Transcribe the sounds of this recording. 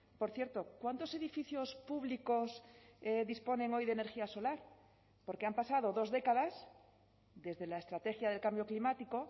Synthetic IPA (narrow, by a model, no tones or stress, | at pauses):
po̞ɾθjeɾt̪o̞kwant̪o̞se̞ðifiθjo̞spuβliko̞seðispo̞nẽ̞ŋo̞jðene̞ɾxiaso̞laɾ | po̞ɾkeampasað̞o̞ðo̞zðe̞kaðas | d̪e̞zðe̞laest̪ɾat̪e̞xjaðelkambjoklimat̪iko̞